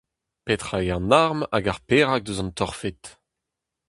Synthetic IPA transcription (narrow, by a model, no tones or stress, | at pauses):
pet̪χajaʁnaʁma̰ɡaʁpeːʁak̚d̪øzɑ̃nt̪ɔʁfet̪